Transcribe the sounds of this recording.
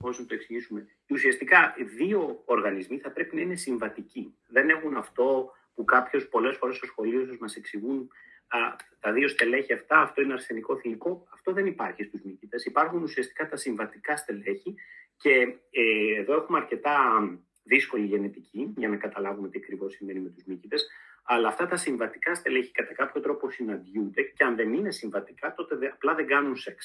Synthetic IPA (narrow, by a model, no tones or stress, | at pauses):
osnɐt̪oksiʝisume̞ | usiɐst̪ikɐiðio̞ːɾɣɐnizmiθɐpɾe̞pinɐine̞siɱvɐt̪ici | ðe̞ne̞xunɐft̪o̞ | pukɐpço̞spo̞le̞sfo̞ɾeso̞sxo̞lios̬uzmɐse̞ksiɣun | t̪ɐðio̞st̪e̞le̞çiɐft̪ɐːft̪o̞ineɐɾse̞niko̞θiliko̞ɐft̪o̞ðe̞nipɐɾçist̪uzmicit̪e̞sipɐɾxunusiɐst̪i̥kɐt̪ɐsiɱvɐt̪ikɐst̪e̞le̞çice̞ː | ðo̞e̞xumeɐɾce̞t̪ɐ | ðisko̞liʝe̞net̪icʰiʝɐnɐkɐt̪ɐlɐvume̞t̪iɐkɾivo̞sːime̞nime̞t̪uzmicit̪e̞sɐlɐːft̪ɐt̪ɐsiɱvɐt̪i̥kɐst̪e̞leçi̥kɐt̪ɐkɐpço̞t̪ɾo̞po̞sinɐnd̪ʝund̪e̞ceɐnðe̞nine̞siɱvɐt̪ikɐt̪o̞t̪e̞ɐplɐðe̞ɡɐnunseks